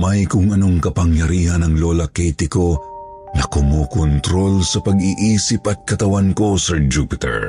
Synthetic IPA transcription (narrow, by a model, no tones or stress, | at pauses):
majkʊŋɐno̞ŋkɐpɐŋjɐɾiːhɐnɐŋloːlɐkɛjt̪ɪko̞ | nɐkomokont̪ɾo̞lsɐpɐɡiʔiːsɪpʔɐt̪̚kɐt̪ɐwanko̞sɛɹd͡ʒupɪt̪ɛ̰ɹ